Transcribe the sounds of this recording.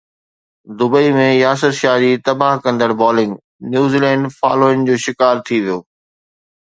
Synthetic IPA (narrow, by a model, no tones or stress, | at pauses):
d̪ʊbəimẽjaːs̬əɾʃaːd͡ʑiːt̪ɐbaːɦkɐ̃nd̪əɽbɔːlɪ̃ŋɡ | njuːziːlɛ̃ːɳɖfa̰ːloːɪnd͡ʑoːʃɪkaːɾt̪ʰiʋijoː